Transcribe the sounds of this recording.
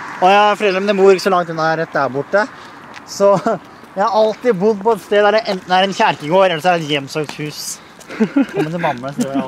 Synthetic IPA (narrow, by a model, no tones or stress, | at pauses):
ɔjæfɔɾʰɛləɾɔmd̪ɛbuːɾɪkːəsɔlɑŋt̪ʉnɑɾɛt̪̚d̪æːɾbʊʈːə | sɔ | jæɪhɑɾɑlt̪ɪbʊd̪pɔɛt̪st̪eːd̪æɾɛɛnæɾɛnçæɾkɪɡoːɾɛlːəsæɾɛt̪jɛmːsøːkt̪hʉːs | kʰɔmːət̪ʰɪlbɑmːəs